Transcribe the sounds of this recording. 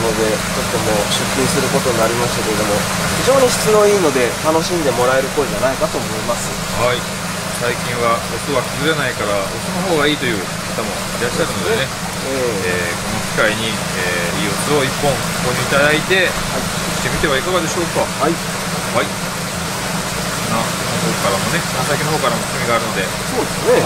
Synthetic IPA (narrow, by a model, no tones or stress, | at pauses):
no̞d̪e̞ | tot̪ːe̞mo̞ɕɨkʲːisɨɾɯ̟ko̞t̪o̞ɲinaɾʲimaɕɨ̥t̪akeɾed̪omo̞ | çiʑo̞ːɲ̟iɕɨ̥t͡sɨmõ̞iːno̞d̪e̞t̪ano̞ɕĩnd̪e̞mo̞ɾae̞ɾɯ̟ko̞ːid͡ʑanaikat̪o̞ːmo̞imasɨ | hai | saikʲĩɰ̃βaot̪ɨβakibɨʑanaikaɾaot͡sonoɦo̞ːɡaiːt̪o̞jɯ̟ː | kat̪amo̞̰ | iɾaɕːaɾɯ̟no̞d̪e̞ne̞ | eeːko̞no̞kʲi̥kaiɲ̟i | eːiːot͡sɨo̞ipːõŋ̥̃ | koɲʲiit̪ad̪ait̪e̞ | ɕi̥t̪emʲit̪e̞βaikaɡad̪e̞ɕo̞ːkahai | hai | onːa | hoːkaɾamo̞ne̞saikʲinoɦoːkaɾamo̞̥kɯmʲiɡaːɾɯ̟no̞d̪e̞ | so̞ːd̪e̞sne